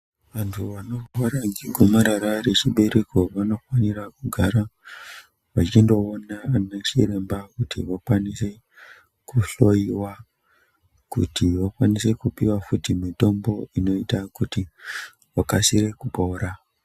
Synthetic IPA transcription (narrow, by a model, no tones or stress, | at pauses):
ʋantʰuʋano̞waɾaŋɡiɡʱumaɾaɾaret͡ʃiɓe̞ɾe̞ko̞ʋano̞fwanirakuɡʱaɾa | ʋat͡ʃindo̞ːnaneʂḭre̞mbakutḭʋakwanise̞ | kuɬo̞iwa | kṵtiʋakwanise̞kupiwafutimito̞mbo̞ino̞itakuti | ʋakasiɾe̞kupoɾa